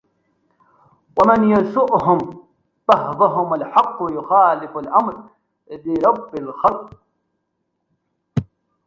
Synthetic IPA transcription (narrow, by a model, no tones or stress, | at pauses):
wamanjasʊʔhʊm | baɦbaɦʊmalħɑqːʊjʊxaːlɪfalʔamɾ | lɪɾˤɑbːɪlxɑlq